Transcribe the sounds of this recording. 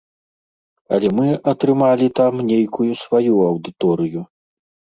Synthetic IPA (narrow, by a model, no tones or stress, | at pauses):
ɐlʲɛmɨɐt̪ɾɨmalʲit̪amnʲejkujusvajuɐwd̪ɨt̪ɔɾɨju